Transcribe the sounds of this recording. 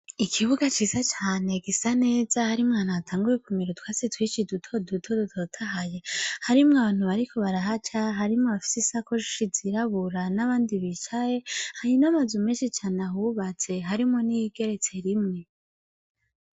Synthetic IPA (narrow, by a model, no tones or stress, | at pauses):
ikʰiβuɡat͡ʃiːzat͡ʃaːne̞ɡisane̞ːz̥ahaɾimŋaːnatʰaːŋɡujekumiɾutwasitwiːt͡ʃidutʰo̞dutʰodutʰotʰaɦaje̞haɾimŋaβaːn̥huβaɾikʰo̞βaɾaɦat͡ʃaɦaɾimŋoβafi̥sisakoʃi̥ʃiziɾaβuɾanaβaːndiβit͡ʃaje̞hajinamazumeːnʃit͡ʃaːnahuβat͡se̞ɦaɾimŋo̞nijiɡ̥e̞ɾe̞t͡se̞ɾimŋe̞